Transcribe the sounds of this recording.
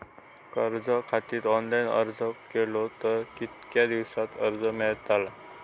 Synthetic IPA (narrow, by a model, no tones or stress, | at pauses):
kəɾd͡zəkʰat̪iːt̪ɔnlajnə̰ɾd͡zəkelot̪əɾkit̪kjad̪iʋsat̪əɾd͡zəmɛɭt̪ala